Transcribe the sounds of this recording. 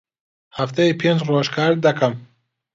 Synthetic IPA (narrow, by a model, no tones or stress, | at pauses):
haft̪ʰajipʰend͡ʒrɔʃkʰaɾd̪akʰam